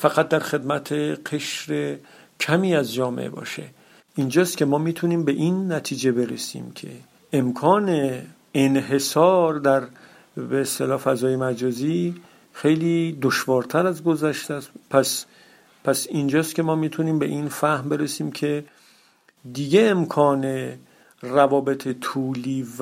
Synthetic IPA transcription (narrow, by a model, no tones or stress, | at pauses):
fæɣæt̪̚d̪æɾxe̞d̪mæt̪ʰeqʰe̞ʃɾe̞ | cʰæmiːæzd͡ʒɒːmḛʔebɒ̰ːʃe̞̰ | ind͡ʒɒːst̪kcʰe̞mɒːmiːt̪ʰuniːmbe̞ʔinːæt̪ʰiːd͡ʒe̞be̞ɾḛsḭːmcʰe̞̰ | emkʰɒːneː | nɦe̞sɒːɾd̪æɾ | beest̪e̞lɒːfæzɒːjemæd͡ʒɒːziː | xe̞jliːd̪oʃvɒːɾt̪ʰæɾæzɡo̞zæʃt̪æspʰæs | pʰæsind͡ʒɒːst̪kʰʲe̞mɒːmiːt̪ʰuniːmbe̞̰ʔinfæhmbe̞ɾesiːmcʰe̞ | d̪iɡe̞ːmkʰɒːne̞ | rævɒːbet̪ʰet̪ʰuːliːv